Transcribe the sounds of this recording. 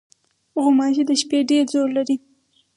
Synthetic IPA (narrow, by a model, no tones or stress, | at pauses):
ɣʊmɑʒid̪əʃpeɖeɾzollaɾi